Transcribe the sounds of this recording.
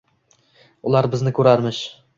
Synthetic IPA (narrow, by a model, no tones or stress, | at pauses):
ʊlˠaɾbɪznɪkʲʰɵɾaɾmɪʃ